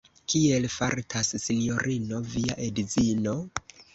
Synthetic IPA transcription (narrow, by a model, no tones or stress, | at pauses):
kʰie̞lfaɾtʰassinio̞ɾʔino̞viaʔedizino̞